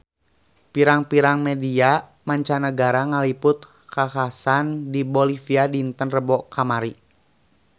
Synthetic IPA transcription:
piɾaŋpiɾaŋmɛdia | maɲt͡ʃanəɡaɾaŋalipʊt̪̚ | kahasandibolifiadint̪ənrəbɔkʰamaɾi

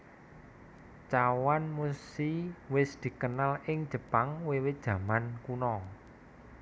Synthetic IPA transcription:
t͡ʃawanmusiwɪsd̪̥i̤kənalɪŋd̥ʒ̥ə̤paŋwewɪd̥ʒ̥ä̤mankunɔ

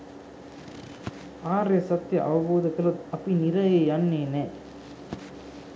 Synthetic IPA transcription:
aːɾesɐt̪ːjɐʔɐ̰ʋɐboːðɐkːɐlɐɐpːinɪɾɐjejanːeːne

